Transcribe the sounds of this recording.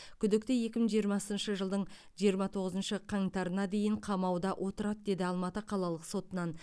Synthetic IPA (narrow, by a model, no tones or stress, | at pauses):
kʲʰʏd̪ɪk̚t̪ɪje̞kʲɪməɴʒijəɾmɑsənʃəʒəlˠd̪əɴ | ʒijəɾmɑt̪ʰo̞ʁəzənʃəqʰɑŋt̪ɑɾənɑd̪e̞jɪɴqʰɑmɑwd̪ɑʔwʔo̞t̪əɾɑt̪̚d̪e̞d̪ɪɑlˠmɑt̪əqʰɑlˠɑlˠəqso̞t̪ənɑn